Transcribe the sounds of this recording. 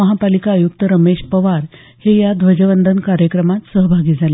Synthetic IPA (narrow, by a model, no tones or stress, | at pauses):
əɦapalikaːjuk̚t̪əɾəmeɕpəʋaɾ | hejad̪ʋəd͡ʑəʋənd̪ʱənkaɾjəkɾəmat̪səɦbʱaɡiːd͡zʱale